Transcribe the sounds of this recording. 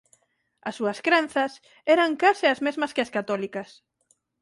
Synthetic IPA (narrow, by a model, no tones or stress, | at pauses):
ɐsːuɐskɾẽn̟θɐs | ɛɾɐŋkaseɐzmezmɐskɪɐskat̪ɔlikɐs